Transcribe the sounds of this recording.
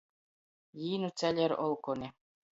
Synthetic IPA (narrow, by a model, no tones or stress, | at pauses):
jiːnut͡sælʲeɾolˠkonʲe